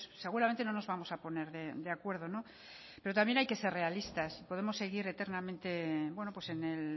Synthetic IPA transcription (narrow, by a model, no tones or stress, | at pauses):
sse̞ɣ̞uɾament̪e̞no̞no̞zβamo̞sapo̞ne̞ɾðe̞d̪e̞akwe̞ɾð̞o̞no̞ | pe̞ɾo̞t̪amje̞najke̞se̞re̞alist̪asipo̞ð̞e̞mo̞sːe̞ɣ̞iɾe̞t̪e̞ɾnamẽnt̪e̞bwe̞no̞pwe̞se̞nel